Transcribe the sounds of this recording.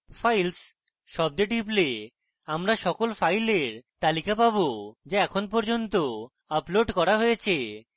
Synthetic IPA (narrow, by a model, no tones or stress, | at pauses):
fajls | ʃɔb̚d̪eʈiple | amɾaʃɔkolfajleɾt̪alikapabod͡ʑeɛkʰonpɔɾd͡ʑont̪o | aploɖkɔɾaɦojet͡ɕʰe